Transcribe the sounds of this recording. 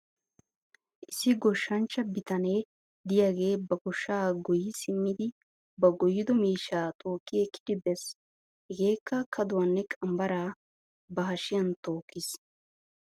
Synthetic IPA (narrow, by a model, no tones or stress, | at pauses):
ʔɪsːɪɡɔʃːɐnt͡ʃːɐbɪt̪ɐne | d̪ɪjaːɡe̞ːbɐɡɔʃːaːɡɔjɪsɪmːɪd̪ɪ | bɐɡɔjːɪd̪ɔmiːʃːaːt̪ʰʼoːkːɪjɛkːɪ̥d̪ɪbɛs | hɛɡe̞ːkːɐkʰɐd̪ʊwɐnːɛkʼɐmbɐɾaː | bɐɦɐʃɪjɐnt̪o̞ːkːɪs